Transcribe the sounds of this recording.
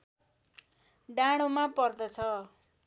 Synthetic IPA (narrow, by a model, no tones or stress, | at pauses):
ɖaɽ̃omapʌrd̪ʌt͡sʰʌ